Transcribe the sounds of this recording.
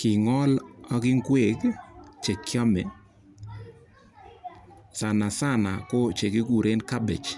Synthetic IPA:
kɪ˨ŋɔ˦lɔ˦kɪ˦ŋɡwe˦˨ɡt͡ʃe˨kjɔ˦mɛ˨ | sa˨na˨sa˦na˨ko˦t͡ʃe˨kɪ˦ɡu˨ɾe˦nka˦bɛ̰˨t͡ʃ

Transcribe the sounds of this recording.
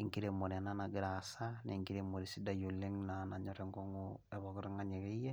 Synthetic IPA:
iŋɡi˦ɾemo˨ɾɛ˨na˦na˨ɡɪ˨ɾasane˨ŋɡi˦ɾe˨mo˨ɾi˨si˦da˨jo˨li˦ŋnana˨ɲɔ˦ɾɛŋɡɔ˦ŋuɛ˨βɔkɔ˦ɾe˦ŋa˦ɲe˨ke˦jɛ˦

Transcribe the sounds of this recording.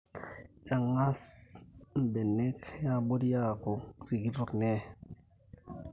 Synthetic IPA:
ja˨ŋa˦s | m̩˨be˨nːe˦kja˦bo˦tja˦˨ko˨si˨ɡi˦fu˦kne˦

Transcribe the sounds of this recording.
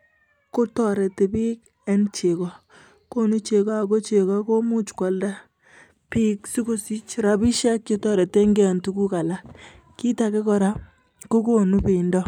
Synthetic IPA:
ko˦tɔ˨ɾɛ˨te˨bi˦k | ɛ˦nt͡ʃe˨kɔ˨ | ko˦nu˦t͡ʃe˨kɔ˦a˨ko˦t͡ʃe˨kɔ˦ko˦mu˦t͡ʃkʷɔ˨lda˦ | pi˦ksi˦ko˦si˦t͡ʃɾa˨bi˦ʃa˦kt͡ʃo˦tɔ˦ɾɛ˨te˦ŋɡe˦a˨ntu˦ku˦ka˨la˦ | ki˦ta˨ke˦kɔ˨ɾa˦ | ko˦ko˦nu˦pe˨i˨ndɔ˦

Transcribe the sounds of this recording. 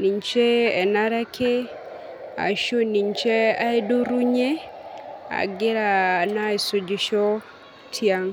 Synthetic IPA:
ni˨ɲt͡ʃe˦ɛ˨na˦ɾa˦kʰe˦ | a̰˨ʃo˦ni˨ɲt͡ʃe˦a˦e˦do˦ɾu˦ɲe˦ | a̰˨ɡɪ˦ɾa˨na˦i˨so˨d͡ʒi˨ʃɔ˦ | tʰja˦ŋ

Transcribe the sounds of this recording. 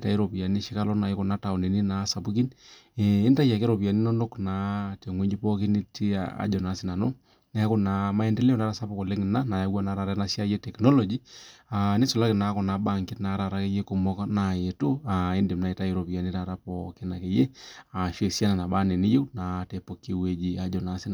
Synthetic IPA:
ta˦i˦ɾo˨pi˨a˨ni˦ʃi˦ka˦lɔ˦na˨i˦ko˨na˦ta˨ɔ˨ne˨ni˦na˨˦sa˨pu˦ki˦n | eː˦nta˦ja˨ke˦ɾo˨pi˨a˨ni˦nɔ˦no˦kna˨te˨ŋwe˦d͡ʒi˦pɔ˦ki˦ni˦ti˦a̰a̰˦d͡ʒɔ˨na˨˦si˦na˨no˦ | ne˦a˦ko˦na˨ma˦e˦nde˦le˦ɔ˨nda˦ɾa˦sa˦pu˦ko˨le˦ŋɪ˨na˦na˨ja˨˦wa˦na˨˦ɾa˨ɾɛ˦na˦sja˦je˦tɛ˨knɔ˦lɔ˨d͡ʒi˦a˨ni˦so˨la˦kɪ˨na˨˦ko˨na˨ɓa˦˨ŋkɪ˦tna˨˦ɾa˨ɾa˦ke˦je˦ko˨mɔ˦kna˨je˨to˦a˨i˦nde˨mna˨e˨ta˦e˨ɾo˨pi˨ja˨ni˦ɾa˨ɾa˦pɔ˦ke˦na˨ke˨je˦a˨ʃe˨sja˦na˨na˨ɓa˦ne˨ni˦je˦wna˨te˨po˨kːi˦we˨d͡ʒi˦a˨d͡ʒɔ˨na˨˦si˦n˨

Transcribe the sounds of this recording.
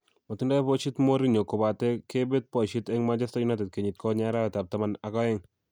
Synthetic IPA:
mo˨ti˦nda˦pɔ˦t͡ʃi˦tmo˦ɾi˦ɲo˨ko˨ba˨tɛ˦ke˦be˦t̚pɔ˨ʃi˦tɛ˦ŋma˦d͡ʒa˦sta˦ju˦na˦tɛ˨t̚ke˨ɲi˨t̚kɔ˦ɲa˦ɾa˦ɛ˨ta˨p̚ta˦ma˦na˨kɔ˦ɛ˦ŋ

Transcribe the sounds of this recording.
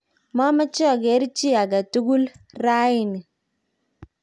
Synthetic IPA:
ma˦ma˦t͡ʃɔ˦˨ɡe˨˦ɾt͡ʃi˦a˨ɡa˨tu˦ɡu˦lɾa˦i˦˨ni˨

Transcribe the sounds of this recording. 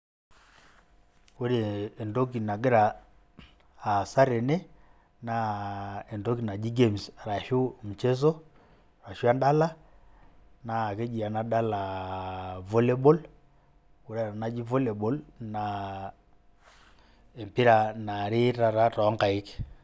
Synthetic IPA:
u˦ɾeː˨ndo˦ki˨na˨ɡe˦ɾa˨ | sa˦ɾe˨ne˦ | na˨ɛ˨ndo˦ki˨na˨d͡ʒi˦ɡe˦msa˨ɾa˨ʃu˦m̩˨t͡ʃe˦s̬ɔ˦ | ɾa˨ʃwa˦nda˦la˦ | na˨ke˦d͡ʒi˨a˨na˦da˦la˨ | vo˦le˦bɔ˦l | u˨ɾa˨a˨na˦d͡ʒi˦vo˦lɛ˨bɔ˦lna | e˨mpi˦ɾa˨na˨ɾe˦ɾa˨ɾa˦tɔ˨˦ŋɡa˨i˦ke̥

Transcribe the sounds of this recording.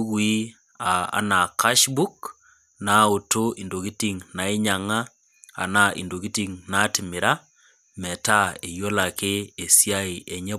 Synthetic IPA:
ɣwi˦ | a˨a̰˨na˨ka˦ʃbu˦k | na˨o˨to˦i˨ndo˨ɣi˦ti˨ŋna˨i˦ɲa˨ŋa˦ | a̰˨na˨ʔḭ˨ndo˨ɣi˦ti˦ŋna˦tɪ˨mɪ˨ɾa˦ | mɛ˨ta˦e˨jo˦la˨kɪ˦e˨sja˦i˨ʔe˨ɲɛ˦

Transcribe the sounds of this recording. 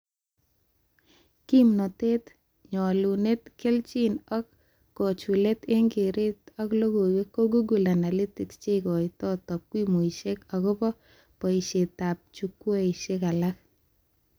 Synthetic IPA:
ki˦mnɔ˨te˦t | ɲɔ˨lu˨ne˦tkɪ˦lt͡ʃi˦nɔ˦kː | ɔ˨t͡ʃu˨le˦te˦ŋɡe˨ɾe˦t̪ɔ˦klo˦ɡo˨we˦ko˦ɡu˦ɡu˨lana˨li˦tɪ˨kst͡ʃe˦kɔ˨itɔ˦tɔ˨p̚kwi˦mo˨iʃe˦kakʊ˦pɔ˦ | pɔ˨iʃe˨t̪a˨p̚t͡ʃukːwe˦iʃekalak̚

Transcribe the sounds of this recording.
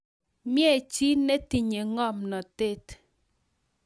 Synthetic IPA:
mjɛ˦˨t͡ʃi˦ne˦ti˨ɲe˨ŋɔ˦˨mnɔ˨te˦t

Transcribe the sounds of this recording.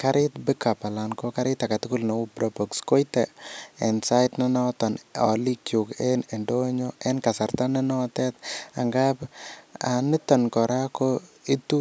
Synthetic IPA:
ka˦ɾɪtbika˨pa˨la˨nkoka˦ɾɪt̪a˨ka˨tuku˦lnɔ˨u˦pɾopɔksko˦jtɛɛ̰nsa˦ɪtnɔnɔ˦tɔ˨nɔ̰˨li˦kjukenendoɲo˦enkasa˨ɾta˦nɔnɔ˦tɛt̪a̰˨ŋɡa˦panɪtɔ˨nkɔɾa˦koitu˦

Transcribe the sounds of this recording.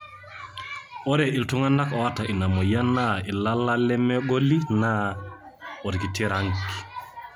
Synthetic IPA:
ɔ˦ɾɛ˨i˨ltu˦ŋa˦nda˦kɔ˨a˦ta˨ʔi˨na˨mo˨ja˦na˦i˨la˦la˦lɛ˦mɛ˦ɡo˦li˦na˦ | ɔ˨ɾki˨ti˦ɾa˨˦ŋki̥˨

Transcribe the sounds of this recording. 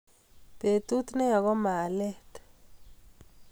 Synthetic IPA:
pe˨t̪ʼu˦t̪nɛ˦ja˨kɔ˦ma˨lɛ˦t

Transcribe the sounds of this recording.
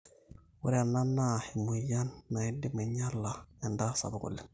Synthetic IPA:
wu˦ɾi˦a˨nːa˦nːa˦˨hi˨mu˨ja˦nːa˨i˦di˦me˨ɲa˦lːa˨ɛ˨nda˦sa̰˨bu˨kṵ˨lːɪ˨ŋ

